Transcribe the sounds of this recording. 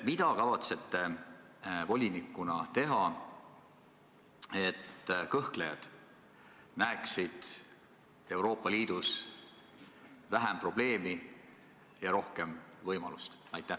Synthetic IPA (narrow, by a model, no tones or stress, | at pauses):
mid̪̥ɑkɑvɑt̪se̞t̪ːe̞ | vo̞lʲinikːˑunɑt̪e̞ɦɑ | e̞t̪ːˑkɤhklejɑ̰d̪̥ | næeksid̪̥ | e̞wɾo̞ːpːˑɑliːd̪̥us | væɦæmpro̞b̥le̞ːmi | jɑɾo̞hke̞mvɤjmɑlust̪ | ɑjt̪ːˑæh